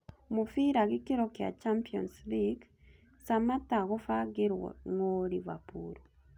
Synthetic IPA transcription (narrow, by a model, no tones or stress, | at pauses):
mufiɾaɣikiɾokja̰t͡ʃampio̰nsliɡ | samataɣofaɡiɾwo̰ŋoliβa̰puɾo